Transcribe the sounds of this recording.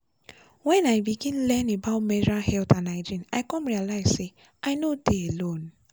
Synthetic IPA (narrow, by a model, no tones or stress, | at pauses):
wɛ̃naɪbiɡĩnlɛ̃nebaʊtmɛd͡ʒɹalhɛltãnaɪd͡ʒĩna̰ɪkɔ̃mɹialaɪz̥se | aɪnodeelõn